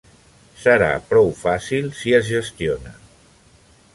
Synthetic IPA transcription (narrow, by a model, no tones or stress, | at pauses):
səɾa̰pɾɔwfasilˠsiəzʒəst̪ionə̰